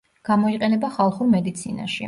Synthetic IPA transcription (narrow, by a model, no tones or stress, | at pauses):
ɡ̥amɔiqʼɛnɛbaχalˠχuɾmɛd̪it̪sʰina̰ʃḭ